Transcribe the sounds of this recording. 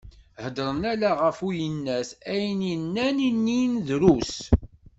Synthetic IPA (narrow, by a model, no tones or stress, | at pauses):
həd̪ɾˤənælaʁəfujənːæsæjninːæninːinðɾus